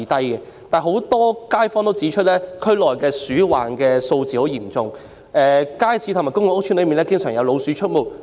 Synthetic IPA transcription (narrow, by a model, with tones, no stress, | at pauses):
t̪ɐ˥jkɛ˧t̪aː˨˩ɦo˨˥wt̪ɔː˥kaː˥jfɔː˥nt̪o˥wt͡siː˨˥t͡ʃʰɵ˥t̚lɛː˥kʰɵ˥ɥlɔː˨˩jkɛː˧syː˨˥wa̰ː˨˩nkɛː˧so˧wt͡siː˨ho˨˥wjiː˨˩mt͡sʊ˨ŋ | ɛː˨kaː˥jt͡sʰiː˨˧˥t̪ʰmaː˨˩kʊ˥ŋwɔ˨˥ʊ˥k̚t͡ʃʰyː˥nlɵ˨˧ɥmiː˨nlɛ˥kɪ˥ŋsœː˨˩ŋjɐ˨˧wlo˨˧wsy˨˧˥t͡ʃʰɵ˥t̚mo˨˩w